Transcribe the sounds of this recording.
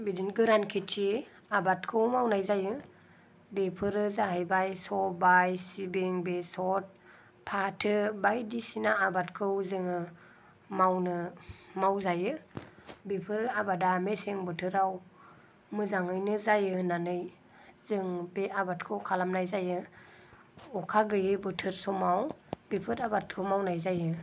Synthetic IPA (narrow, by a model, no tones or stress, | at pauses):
bidinɡɯɾankʰitʰi | abat̚kʰɯwmawnajzajɯ | bepʰɯɾɯzaɦajbajsɔbajsibeŋbesɔt̚ | pʰatʰɯbajdisinaabatkʰɯwzɯŋɯ | mawnɯmawzajɯ | bipʰɯɾabadameseŋbɯtʰɯɾaw | mɯzaŋɯjnɯzajɯnanɯj | zɯŋbeabat̚kʰɯwkʰalamnajzajɯ | ɔkʰaɡɯjɯbɯtʰɯɾsɔmawbepʰɯɾabat̚kʰɯwmawnajzajɯ